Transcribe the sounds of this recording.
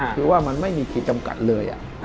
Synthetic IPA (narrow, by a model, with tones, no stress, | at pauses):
ɯː˧waː˥˩ma˧nma˥˩jmiː˧kʰiː˨˩t̪̚t͡ɕa˧mka̰˨˩t̪̚lɤː˧jʔa̰˨˩